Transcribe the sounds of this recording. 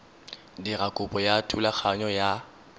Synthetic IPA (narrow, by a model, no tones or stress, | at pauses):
dirakʼʊpʼɔjatʰulak͡xʰaɲɔja